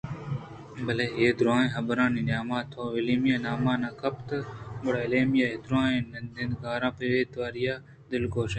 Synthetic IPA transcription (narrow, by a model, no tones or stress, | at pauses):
bəleːɦeːd̪ɾaːẽːɦəbɾãːnĩːnaːmãːt̪ʰoːɪliːmjãːnaːmãːnãːkʰəpt̪əbəɽaːɪleːmjaːɦeːd̪ɾaːẽːnənd̪ẽnɡaːɾãːpeʋeːt̪ʋaːɾijaː | d̪ɪlkoːʃẽː